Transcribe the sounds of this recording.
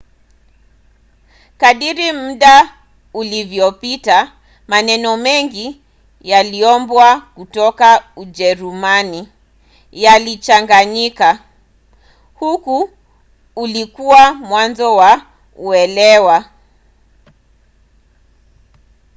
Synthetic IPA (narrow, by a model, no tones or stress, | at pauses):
kaɗiɾim̩ɗa | ulivjɔpita | manɛnɔmɛŋɡi | jaliɔmbwakutɔkaud͡ʒɛɾumani | jalit͡ʃaŋɡaɲika | hukuː | likuwamwanzɔwa | uɛlɛwa